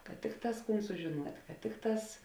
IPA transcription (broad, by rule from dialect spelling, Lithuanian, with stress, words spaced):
kɐt ˈtʲɪkˌtɑːs ˈkuːn sʊʒʲɪˈnuɔtʲ kɐt ˈtʲɪkˌtɑːs